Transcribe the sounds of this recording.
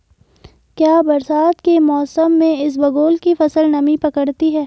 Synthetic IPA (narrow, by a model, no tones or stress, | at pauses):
kjaːbɐɾsaːt̪kemɔːsəmːẽɪs̬bɐɡoːlkifɐsəlnɐmipɐkəɽt̪iɦɛː